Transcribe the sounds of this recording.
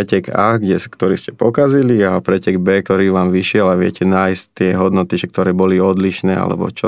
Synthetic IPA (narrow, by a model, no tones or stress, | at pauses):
ɛcɛɡaːɡɟɛskt̪ɔɾiːscɛ̥pɔkaziliapɾɛcɛɡbɛːk̚t̪ɔɾiːʋaːmʋiʃɪɛlaʋɪɛ̰cɛnaːjsct̪ɪɛɦɔd̪nɔt̪iʒɛk̚t̪ɔɾɛːbɔliɔd̪liʃnɛːa̰lɛ̰bɔ̰t͡ʃɔ